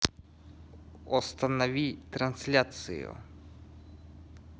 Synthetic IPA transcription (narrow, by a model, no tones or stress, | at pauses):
ɔst̪ɐnɔʋʲit̪ɾɐnsʲlʲat̪sɨ̰jʊ̰